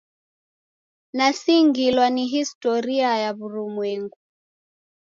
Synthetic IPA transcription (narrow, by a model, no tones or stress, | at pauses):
nasiŋɡilwaniɦistɔɾiajaβuɾumwɛŋɡu